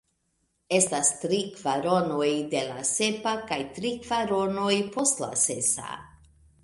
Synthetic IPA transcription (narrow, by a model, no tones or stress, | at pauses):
e̞stastɾikvaɾo̞no̞jde̞lase̞pakajtɾikv̥aɾo̞no̞jpo̞stla̰se̞sa̰